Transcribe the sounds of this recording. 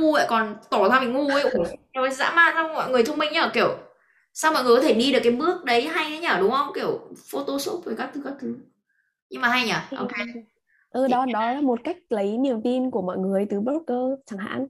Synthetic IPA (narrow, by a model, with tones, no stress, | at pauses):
u˧ə̰ː˧˨kɔ˨˩nt̪ɔ˧˩t̪ʰaː˧mï˨˩ŋŋu˧ə˧jʔu˧˩ɔ˨˩za̰ː˧˥maː˧˨za˧wŋ͡mmɔ̰˧˨jŋɨ˨˩əjt̪ʰə˧ŋ͡mmï˧ŋɲa˧əː˧˩ki˧˩əw | sa˧wmɔ̰˨˧˨jɨ˨˩kɔ˧˦t̪ʰe˧˩ɗi˧ɗɨ˨˩əkːa˨˦ɓɨ˦˥ək̚ɗə˨˦jɦa˧ja˨˦ɲaː˧˨˩ɗʊ˨˦ŋ͡mhə˧wŋ͡mki˧˩əwfo˧t̪o˧so˦˥p̚vəː˨˩kaː˦˥k̪̚ʰɨ˨˦ka˦˥kt̪ʰɨ˨˦ | ɲɨ˧ŋmaː˨˩ɦa˧jɲaː˨˩ʔo̰˧˨ke˨˧ | ʔəː˧˩ɗɔ˨˦ɗɔ˨˦laː˨˦mo˨˩t̚ka˦˥jk̟̚lə˨˦jni˨˩əmt̪i˧nku˧˩əmɔ̰˧˨jŋɨ˨˩əjt̪ɨ˨˦ɓɾo˦˥k̚kəː˧t͡ɕaː˨˧˩ŋɦa̰ː˧˥n